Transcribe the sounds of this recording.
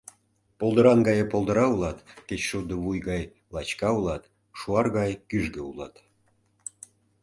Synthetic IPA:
polˠd̪əɾɑnɡɑjepolˠd̪ɤ̆ɾɑulˠɑt̪ket͡ɕʃud̪əβujɡɑj | lˠɑt͡ɕkɑulɑt̪ | ʃuɑrɣɑjkyʒɡeulɑt̪

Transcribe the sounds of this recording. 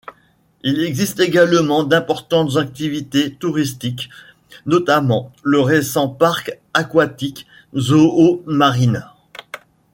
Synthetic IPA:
ilɛɡzist̪eɡalmɑ̃d̪ɛ̃pɔʁt̪ɑ̃t̪zak̚t̪ivit̪et̪uʁist̪ik | nɔt̪amɑ̃ləʁesɑ̃paʁk | akwat̪ik | zoomaʁin

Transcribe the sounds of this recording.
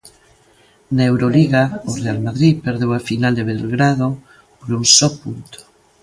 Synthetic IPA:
naewɾoliɣaorealmaðɾipeɾðewafinald̪eβeðelɣɾað̞o | poɾuŋsɔpunt̪o̥

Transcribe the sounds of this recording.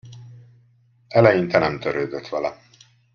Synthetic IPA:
ɛlɛjint̪ɛnɛmt̪øɾøːd̪øt̪ʋɛlɛ

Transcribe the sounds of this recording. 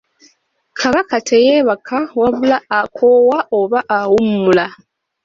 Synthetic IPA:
kʰaβakatʰejeβakʰawaβulaːkʰowaoβaʔawumːula

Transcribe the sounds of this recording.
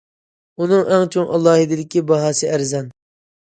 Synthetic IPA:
unɨŋʔɛŋt͡ʃʰoŋʔɑ̰lˠːɑːɦid̪ɪd̪ɪkʲʰːibɑɦɑːsɨʔæɾzɑn

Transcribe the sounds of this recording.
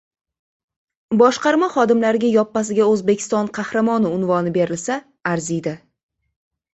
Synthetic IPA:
bɒʃqɑɾmaχɒd̪ɪmlaɾɪɡʲajɒpːasɪɡʲaɵzbekʲʰɪ̥st̪ɒnqʰɑhɾamɒnɪʊnvɒnɪbe̞ɾɪlsaː | ɾzijd̪ɪ

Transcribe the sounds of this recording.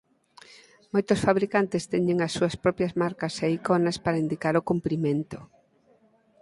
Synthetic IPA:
mojt̪ʊsfaβɾikant̪ɪst̪ɛɲeŋɐsːuɐspɾɔpjɐzmaɾkɐseikonɐspaɾɐind̪ikaɾokumpɾimẽnt̪ʊ

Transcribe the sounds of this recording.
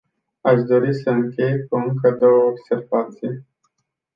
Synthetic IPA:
aʃd̪o̞ɾisəɨŋkʲe̞jkuɨŋkəd̪o̞wəobse̞rvat̪sij

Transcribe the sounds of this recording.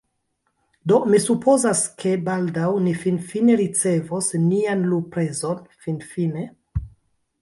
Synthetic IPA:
do̞misupʰo̞zaskʰe̞baldawnifinfine̞ɾit͡se̞vosnianlupɾezonfinfine̞

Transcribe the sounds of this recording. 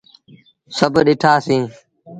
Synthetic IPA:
səbʱɗɪʈʰaːsĩː

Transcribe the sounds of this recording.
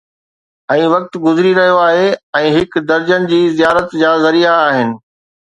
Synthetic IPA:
ɛ̃ːʋɐk̚t̪ɡʊzɪɾiɾɐɦijoaːɦeɛ̃ːɦɪkd̪ɐɾd͡ʑənɪ̆d͡ʑiːzijaːɾət̪d͡ʑaːzɐɾiaːɦɪnɪ̆

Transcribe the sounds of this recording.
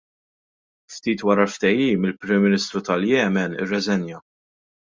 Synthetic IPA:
ft̪iːt̪wɐɾɐlft̪ɛjiːmɪlpɾɪmːɪnɪst̪ɾut̪ɐljɛːmɛnɪ̰rːɛzɛnjɐ

